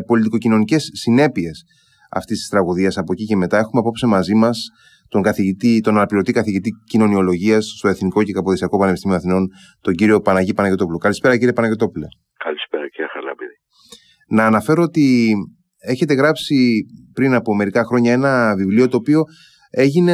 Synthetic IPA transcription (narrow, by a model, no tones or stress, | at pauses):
po̞lit̪iko̞cino̞nice̞sːine̞pie̞s | ɐ̰ft̪ist̪ist̪ɾɐɣuðiɐsɐpo̞cice̞me̞t̪ɐe̞xumeɐpo̞psimɐzimɐs | t̪o̞ŋɡɐθiʝit̪it̪o̞nɐnɐpliɾo̞t̪ikɐθiʝit̪icino̞nio̞lo̞ʝiɐssːt̪o̞eθniko̞ce̞kɐpoðesiɐko̞pɐnepist̪imioɐθino̞n | t̪o̞ɲɟiɾio̞pɐnɐʝipɐnɐʝe̞t̪o̞pulo̞kɐlispe̞ɾɐciɾie̞pɐnɐʝe̞t̪o̞pule̞ | kɐlispeɾɐciɾɐxɐlɐ̰biɾi | nɐːnɐfe̞ɾo̞ot̪i | e̞çe̞t̪e̞ɣɾɐpsipɾinɐpo̞me̞ɾikɐxɾo̞ɲɐe̞nɐvivlio̞t̪o̞ːpio̞ | e̞ʝine̞